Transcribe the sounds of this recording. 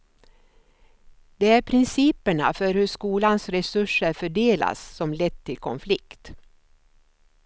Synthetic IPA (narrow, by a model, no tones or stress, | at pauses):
d̪̥ɛæɾpʰɾɪnsiːpəɳa̰fœɾhɵʂkuːlansɾɛsɵʂəɾfœɖeːla̰sːɔmlɛt̪ʰːɪlkʰɔ̰nflɪkt̪